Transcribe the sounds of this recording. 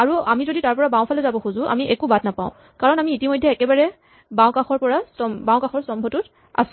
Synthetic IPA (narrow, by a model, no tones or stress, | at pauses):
aɹuamizoditaɹpɔɹabãʊ̃pʰalɛzabɔxuzʊ̃ʔa̰miʔɛkubadnapa̰ʊ̃ | kaɹɔnamiːtimɔjdʱɛɛkɛbaɹɛ | bãw̃kaxɔɹpɔɹastɔmbãʊ̃kaxɔɹstɔmbʱɔtʊt | a̰s